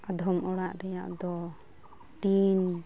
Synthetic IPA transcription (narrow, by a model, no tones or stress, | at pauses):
ad̪ʱɔmʔɔɽaʔɾɛjaʔd̪ɔ | ʈin